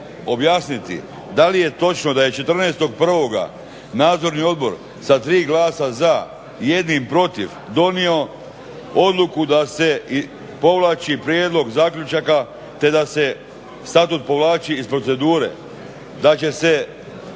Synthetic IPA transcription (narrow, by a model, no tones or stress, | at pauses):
o̞bjaːsnit̪ḭ | d̪alije̞t̪o̞t͡ʃno̞d̪aje̞t͡ʃe̞t̪r̩neːst̪o̞ɡ̚pr̩ʋo̞ɡa̰ | naːd̪zo̞ɾnio̞d̪bo̞ɾ | sat̪ɾiːɡlaːsaza | je̞d̪nimpɾo̞t̪iʋ | d̪o̞nio̞ | o̞d̪lˠukud̪ase̞ | po̞ʋlˠaːt͡ʃipɾjeːd̪lˠo̞ɡzaːkʎʲut͡ʃaka | t̪e̞d̪ase̞ | st̪at̪ut̪̚po̞ʋlˠaːt͡ʃiːspɾo̞t̪se̞d̪uːɾe̞̰ | d̪at͡ʃe̞se̞